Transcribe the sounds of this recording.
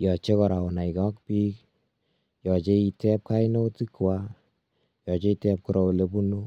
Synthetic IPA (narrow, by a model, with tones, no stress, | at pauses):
jɔ˨t͡ʃe˦kɔ˨ɾa˨ɔ˨na˨i˨kɔ˦k̚pi˦k̚ | jɔ˨t͡ʃe˦i˨tɛ˦p̚ka˦i˦no˦ti˦kwa˦ | jɔ˨t͡ʃe˦i˧tɛ˦p̚ku˨ɾɔ˨u˨le˨bu˦nu˦